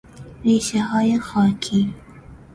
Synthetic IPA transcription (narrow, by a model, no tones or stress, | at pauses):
ɾeʃaɦɑjaxɑkʰi